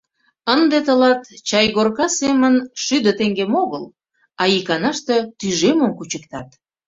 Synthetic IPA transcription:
ənd̪et̪əlɑt̪t͡ɕɑjɣorkɑsemənʃyd̪ət̪eŋɡemoɣəl | ɑikɑnɑʃt̪et̪yʒeməmkut͡ɕəkt̪ɑt̪

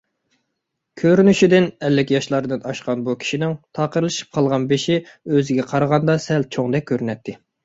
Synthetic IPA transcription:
kʲʰøɾynyʃid̪ɪnɛlːɪkʲjɑʃlˠɑɾɨd̪ɨnɑʃqɑnbukʲʰi̥ʃinɪŋt̪ʰɑːqəɾɨlˠɨʃi̥p̚qʰɑlˠʁɑnbeʃiøzɪɡʲɛqʰɑɾəʁɑnd̪ɑsɛl̚t͡ʃʰoŋd̪ɛk̚ʲkʰʲːøɾynɛt̪ʰːɪ

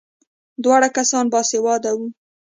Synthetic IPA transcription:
d̪wɑɽakasɑnbɑsewɑd̪awu

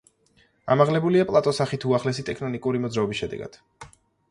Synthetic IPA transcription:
a̰maʁlɛbuliapʼlˠat̪ʼɔsaχit̪ʰuaχlɛsit̪ʼɛkʰnɔnikʼuɾimɔd̪zɾaɔbisʃɛd̪ɛ̰ɡa̰d̪̥

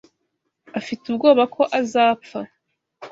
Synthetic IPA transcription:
afitubɡo̞ːβakʰo̞ʔazaːpp͡fa

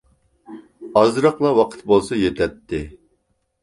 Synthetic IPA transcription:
ɑzɾɑqlˠɑwɑqʰə̥t̪̚bolˠsɑjet̪ʰɛt̪ʰːɪ

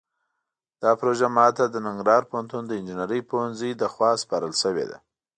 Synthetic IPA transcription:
d̪̥ɑpɾoʒamɑt̪ad̪ənɪŋɡɾɑɾpohant̪und̪əɪnd͡ʒɪnaɾəjpohanzid̪əxwɑspɑɾəlʃəwḛd̪a̰

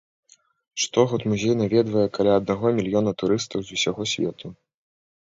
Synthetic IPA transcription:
ʂt̪ɔɣɔt̪muzʲejnavʲɛd̪vɐjɛkalʲaɐd̪̚naɣɔmʲilʲjɔnɐt̪uɾɨst̪ɐwzusʲaɣɔsʲvʲɛ̰t̪ʰu

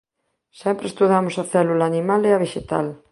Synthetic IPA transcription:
sɛmpɾest̪uðamosaθɛlulaːnimaleaβ̞eʃet̪a̰l

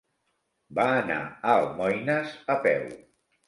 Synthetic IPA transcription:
baːna̰əlˠmɔjnəzəpɛ̰w

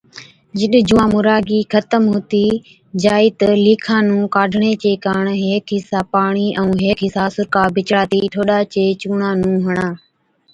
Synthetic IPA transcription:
d͡ʒɪɗd͡ʒʊʋãːmʊɾaːɡiːkʰət̪əmɦʊːt̪iː | d͡ʒaːiːt̪əliːkʰãːnũːkaːɖʱɳeːt͡ʃeːkaːɳɦeːkʰɦɪsaːpaːɳ̃iːʔɛũːɦeːkʰɦɪsaːsʊɾkaːbɪt͡ʃɽaːt̪iːʈʰoːɗaːt͡ʃeːt͡ʃuːɳãːnũːɦəɳãː

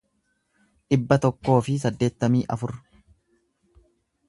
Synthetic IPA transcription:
ᶑɪbːɐt̪ɔkːo̞ːfɪsɐd̪ːe̞ːt̪ːɐmiːʔɐfʊɾ

